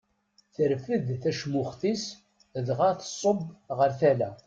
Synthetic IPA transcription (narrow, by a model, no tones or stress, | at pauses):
θəɾfəðθæʃmʊχθis | ðʁaθə̥sˤːobʁəɾθælæ